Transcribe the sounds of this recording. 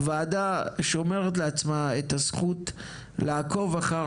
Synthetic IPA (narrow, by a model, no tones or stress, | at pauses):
vaːdaʃeomeʁet̬leat͡smaet̪asχut | laːko̞vaχa